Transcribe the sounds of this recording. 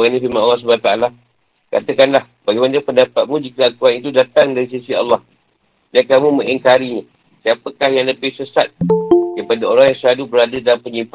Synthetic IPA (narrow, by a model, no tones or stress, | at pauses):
ɣanĩfimanɑlːɑhs̬əbanat̪aala | ka̰t̪əkanlah | b̥aɡajmanapəndapat̪̚mũd͡ʒikaakuanit̪udat̪aŋdaɾis̬isiɑ̰lːɑh | dakamũmə̃ŋiŋkaɾiɲa | siapəkahjaŋləpɪhsəsat̪̚kəpadaoɾaŋjaŋsəɾadubəɾadədalampəɲifa